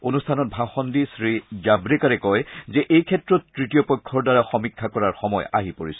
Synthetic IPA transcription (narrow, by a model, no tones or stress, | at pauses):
onustʰanɔt̚bʱaxɔndisɹiɡabɹɛkaɹɛkɔjzɛʔejkʰɛtɹɔtːɹitiɔpɔjkʰːɔɹdaɹaxɔmikʰːakɔɹaɹxɔmɔ̰ja̰ɦipoɹisɔ